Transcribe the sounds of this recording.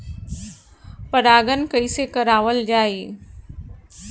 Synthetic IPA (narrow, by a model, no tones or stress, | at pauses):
pɐɾaːɡənkɐisekɐɾaːʋəld͡ʒaːiː